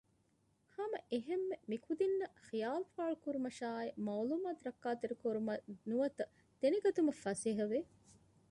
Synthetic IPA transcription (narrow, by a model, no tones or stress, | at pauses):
hɐmɐʔeɦemːemikʰud̪inːɐxijaːlfaːɭukuɾumɐʃaːimɐwluːmaːt̪uɾɐkːaːt̪eɾukoɾumɐnuʋɐt̪ɐ | t̪eniɡɐt̪umɐfɐsiɦɐʋe